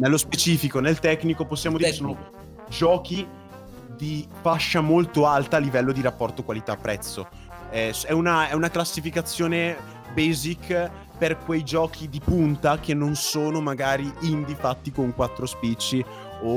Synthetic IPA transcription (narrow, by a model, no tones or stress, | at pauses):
nelːospet͡ʃiːfikonelt̪ɛkːnikoposːjaːmod̪iɾesoːno | d͡ʒɔːki | d̪ifaʃːamolt̪oalt̪aːlːivɛlːod̪iɾapːɔrt̪okwalit̪aːpːɾɛt̪sːo̰ | ɛsɛunaɛunaklasːifikat̪sːjoːne | bezikː | perkwejd͡ʒɔːk̟ʰid̪ipunt̪akenːonsoːnomaɡaːɾiind̪ifat̪ːikoŋkwat̪ːɾospit͡ʃːi | o